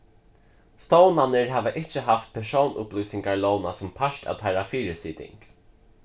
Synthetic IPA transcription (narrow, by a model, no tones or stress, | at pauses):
st̪ownanɪɹɦæːʋaʔɪt͡ʃːəɦaft̪̚pʰɛʂownʔʊ̰pluːsɪŋkaɹlownasʊmpʰaʃʈa̰wt̪ʰaɪɾafiːɾɪsiːt̪ɪ̰ŋk